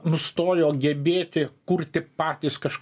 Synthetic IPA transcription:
nʊst̪oːjoːɡʲɛbʲeːt̪ʲɪkurʲt̪ʲɪpɑːt̪ʲiːskɐʃk

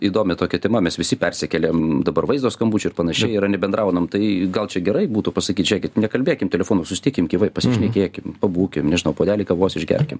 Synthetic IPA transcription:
iːd̪oːmʲɛt̪oːkʲɛt̪ʲɛmɐmʲɛsʋʲɪsʲɪpʲɛrʲsʲɪkʲɛlʲeːmd̪ɐbɐrʋɐɪzd̪oːskɐmbuːt͡ʃʲʊɪrpɐnɐʃʲɛɪɪɾɐnʲɛbʲɛnd̪ɾɐʊnɐmt̪ɐɪɡɐlˠt͡ʃʲɛɡʲɛɾɐɪbuːt̪upɐsɐkʲiːt̪ʒʲæːkʲɪt̪nʲɛkɐlʲbʲeːkʲɪmt̪ʲɛlʲɛfoːnosʊsʲɪ̥t̪ʲɪkʲɪmkʲiːʋɐɪpɐsʲɪʃʲnʲɛkʲeːkʲɪmpɐbuːkʲɪmnʲɛʒʲɪnɐʊpoːd̪ʲæːlʲɪkɐʋoːsʲɪʒʲɡʲɛ̰rʲkʲɪm

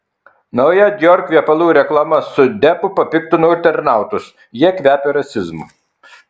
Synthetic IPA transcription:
nɐʊjɛɡ̪ʲjɔɾʲkʲʋʲiɛpɐlˠuːɾʲɛklˠɑmɐsʊd̪ʲɛpʊpɐpʲɪkt̪ʊnʊt̪ʲɛɾnɑˑʊt̪ʊs | jiɛkʋʲæːpʲɛɾɐsʲɪzmʊ̰

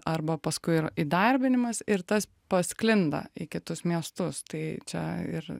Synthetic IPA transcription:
ɐɾbɐpɐskʊɪɪɾid̪ɐɾʲbʲɪnʲɪmɐsɪɾt̪ɐs | pɐsklʲɪnd̪ɐ̰ɪkʲɪt̪ʊsmʲiɛst̪ʊst̪ɐɪt͡ʃʲɛɪ̰r

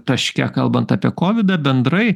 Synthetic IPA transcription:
t̪ɐʃʲkʲɛkɐlˠbɐnt̪ɑpʲiɛkoːʋʲɪd̪ɐːbʲɛnd̪ɾɐɪ

